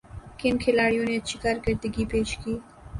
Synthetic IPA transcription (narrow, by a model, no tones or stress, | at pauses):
kɪnkʰelɑɽjonet͡ʃʰikaɾɡəɾd̪əɡipeʃki